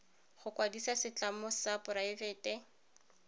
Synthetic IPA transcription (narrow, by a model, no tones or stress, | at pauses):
χʊkwadisasɪt͡ɬʼamʊsapʼʊɾaɪvɛːtɛ